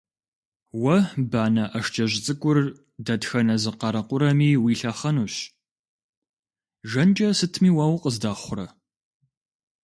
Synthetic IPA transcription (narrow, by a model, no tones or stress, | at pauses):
wɐbaːnɐʔɐʂt͡ʃʰʼɐʑɪt͡sʼɨkʷʼʊr | dɐtxɐnɐzɨqɐɾɐqʷʊɾɐmiːwiːɬɐχɐnuːɕ | ʒɐnt͡ʃʼɐsɨtʰmiːwawqəzdaːχʷʊɾɐ